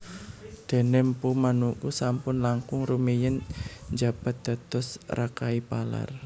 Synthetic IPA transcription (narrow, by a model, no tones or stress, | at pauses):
d̪̥e̤nɛmpumanukusampʊnlaŋkʊŋrumijənd͡ʒa̤b̥a̤t̪̚d̪̥a̤t̪ɔsrakaipala̰r